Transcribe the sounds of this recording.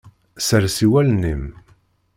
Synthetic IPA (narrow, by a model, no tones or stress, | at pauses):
səɾsiwælnim